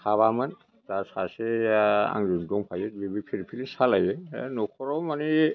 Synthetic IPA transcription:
sʰaβaman | tasasea̰ŋzundɔŋpʰajɛt̚bibipʰiɾpʰilisalajɛnɔkʰɔɹɔwmani

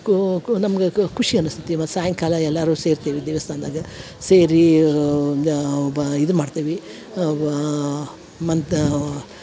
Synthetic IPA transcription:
nɐmɐɡekʰuʂiɐnust̪ʰit̪imɐt̪ːsaːjɐŋkaːlɐɛlːaːɾuːseːɾt̪iːʋid̪eːʋɐst̪ʰaːnd̪aːɡɐ | seːɾi | bid̪ɾumaːɖt̪iːʋi | mɐn

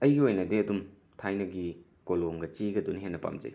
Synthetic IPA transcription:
ɐjɡiojnɐdiɐdum | tʰajnɐɡi | koloŋɡɐt͡ʃiɡɐduniɦenːɐpa̰md͡ʒɐ̰j

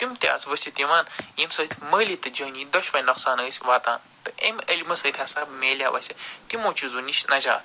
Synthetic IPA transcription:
t̪imt̪ʲa̰ːsʋɐsʲit̪imaːnjimsɐːt̪ʲʰmɐːlʲit̪ɐd͡ʒɐːniːd̪ɐʃʋɐnɐqsaːnəːsʲʋaːt̪a̰ːn | t̪ɐʔemɐlimɐsɐːt̪ʰʲhɐsaːbmeːlʲja̰ʋɐ̰sʲɐt̪imoːt͡ʃuzuniʃnɐd͡ʒa̰ːt̪

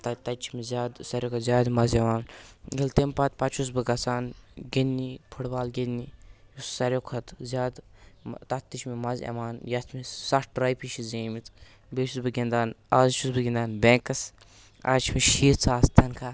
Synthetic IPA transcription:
t̪ɐt̪ɐt͡ʃʰimizʲaːd̪sɐɾʲjokʰɐt̪zʲaːd̪mɐzɐʋaːnɡilt̪empɐt̪pɐt͡ʃʰus̬bɨɡɐsaːnɡinːipʰuɽbaːlɡenːi | jussɐɾjokʰɐt̪zʲjaːd̪t̪ɐt̪ːit͡ʃmimɐzɐ̰ʋaːnjɐt̪ʰmisɐʈɾɐjpiʃʰizeːmit̪ | beːʃʰusbɨɡʲind̪aːn | azt͡ʃʰusbɨɡʲind̪aːnbeŋkɐs | a̰ːt͡ʃʰimiʃiːɾt͡sʰaːst̪ʰɐnkʰa

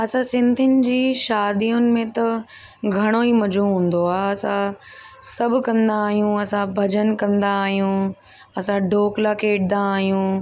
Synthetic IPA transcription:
ɐsãsɪ̃nd̪ʱɪnɪ̆d͡ʑiːʃaːd̪iːʊnɪ̆mẽt̪ɐ | ɡʱɐɽ̃oimɐd͡ʑuɦũːn̆d̪oaːɐsã | sɐbʱʊ̆kɐ̃nd̪aːɦijũɐsãbʱɐd͡ʑənkɐ̃nd̪aːɦijũ | ɐsãɖoːklakeːʈɪd̪aːɦijũ

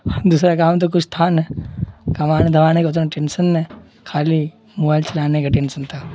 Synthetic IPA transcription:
d̪uːsɾakaːmt̪̬ok̬ʊt͡ʃʰt̪ʰaːnɛkɐmaːñed̪ʱɐʋaːnekʊt̪ɾaʈeːnsənːe | kʰaːli | moːbaːjlt͡ʃɐlaːnekaʈeːnsənt̪ʰaː

